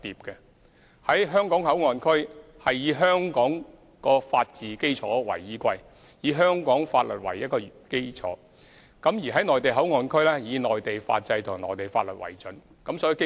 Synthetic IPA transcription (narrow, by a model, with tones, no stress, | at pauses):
t̪iː˨p̚kɛ˧ | hɐ˨˥jɦœː˥ŋkɔː˨˥ŋhɐ˨˥wŋɔː˨˧nkʰɵ˥ɥ | hɐ˨jjiː˨˧ɦœː˥ŋkɔː˨˥ŋ | kɔː˧faː˧t̚t͡siː˨ke˥jt͡sʰɔ̰ː˨˥wɐ̰˨˩jːiː˨˥kʷɐ˧j | jiː˨˧ɦœː˥ŋkɔː˨˥ŋfaː˧t̚lɵ˨t̚wɐ˨˩jɐ˥t̚kɔː˧ke˥jt͡sʰɔ̰ː˨˥ | kɐ˨˥mjiː˨˩ɦɐ˨˥jnɔː˨˩jt̪e˨jɦɐ˨˥wŋɔː˨nkʰɵ˥ɥlɛː˥jiː˨˧nɔː˨jt̪e˨jfa̰ː˧t̚t͡sɐ˧jt̪ʰʊ˨˩ŋnɔː˨˩jt̪e˨˩jfaː˧t̚lɵ˨t̚wɐ̰˨˩jt͡sɵ˨˥n | kɐ˨˥msɔː˨˥i˨˧k